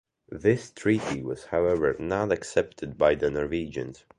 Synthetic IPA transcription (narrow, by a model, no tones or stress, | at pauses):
ðɪstʰɹ̥iɾiwʌz̥haʊɛvə˞nəɾɨksɛp̚tʰɨd̚baɪðənəɹvid͡ʒɨ̰̃nt